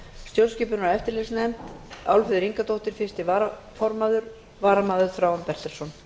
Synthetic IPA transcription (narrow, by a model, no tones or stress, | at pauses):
st̪jowlscɪːpʏnaɛft̪ɪɾlɪɣsnɛmt̪awlfɪðʏɾiŋkat̪owht̪ɪɾ̥fɪ̥st̪ɪvaɾa | fɔɾmaːðʏɾ | vaːɾamaːðʏɾ̥fɾawanpɛr̥t̪ɛlsɔn